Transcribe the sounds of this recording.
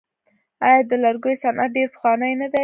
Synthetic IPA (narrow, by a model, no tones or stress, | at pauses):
ɑjɑd̪əlaɾɡojosanʔat̪̚ɖeɾpə̥xwɑnəjnad̪a